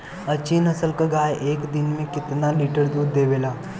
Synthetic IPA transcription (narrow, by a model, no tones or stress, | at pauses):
ət͡ʃiːnɐsəlkaɡaːjʔeːkd̪ɪnmẽkɪt̪naliːʈəɾd̪uːd̪d̪eːʋelaː